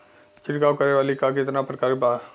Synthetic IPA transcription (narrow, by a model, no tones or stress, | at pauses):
t͡ʃɪɾkaːʋkəɾeʋaːlikakɪt̪napɾəkaːɾkebaːd̪